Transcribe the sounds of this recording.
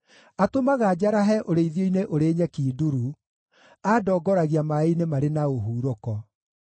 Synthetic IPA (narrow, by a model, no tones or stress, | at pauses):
atomaɣad͡ʑaɾaɦɛʔoɾeiðjoineʔoɾeːɲɛkiːduɾu | adɔːɡɔɾaɣiamainemaɾenaoɦuːɾokɔ